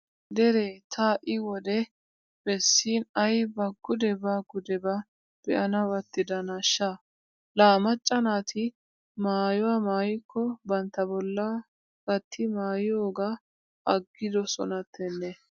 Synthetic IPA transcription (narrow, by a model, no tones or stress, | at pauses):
d̪ɛɾet̪ʰaːʔɪwɔd̪ɛ | b̥ɛsːiːnɐjbɐɡːʊd̪ɛbɐɡʊd̪ɛbɐ | b̥ɛʔɐnɐwɐt̪ːɪd̪ɐnɐʃːa | laːmɐt͡ʃʼːɐnaːt̪ʰɪ | maːjɔwamaːjɪkʰːɔbɐnt̪ːɐbɔlːɐ | ɡɐt̪ʰːɪmaːjɪjoːɡa | ɐɡːɪd̪ɔsɔ̰nɐt̪ʰːɛnːɛ